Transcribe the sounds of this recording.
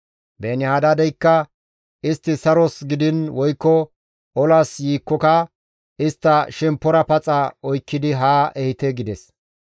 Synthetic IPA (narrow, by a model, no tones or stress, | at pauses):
beːnɪhaːd̪ad̪ɛjkːɐ | ɪst̪ːɪsɐɾɔsɡɪd̪ɪnwɔjkːɔ | ɔlɐsjiːkːɔkɐ | ɪst̪ːɐʃɛmpːɔɾɐpɐt͡sʼɐɔjkːɪd̪ɪɦaːʔɛhɪt̪ɛɡɪd̪ɛs